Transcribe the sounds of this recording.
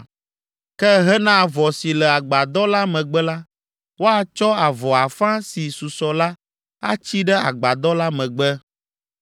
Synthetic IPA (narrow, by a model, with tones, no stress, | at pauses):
kɛ˦ɦɛ˦nã˦˨vɔ˨si˨lɛ˨a˨ɡ͡ba˨d̪ɔ˦la˦mɛ̃˨ɡ͡bɛ˦la˦ | wo˦a˦t͡ʃɔ˦a˨vɔ˨a˨fã˦si˨su˨sɔ˨la˦ | a̰˦t͡ɕi˦ɖɛ˦a̰˨ɡ͡ba˨d̪ɔ˦la˦mɛ̃˨ɡ͡bɛ˦